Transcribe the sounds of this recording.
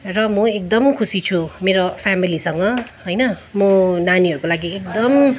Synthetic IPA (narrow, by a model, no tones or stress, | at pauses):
rʌmʌek̚d̪ʌmkʰusit͡sʰumeɾopʰamilisʌŋɡʌɦojnʌmʌnaniɦʌɾukolaɡiekd̪ʌm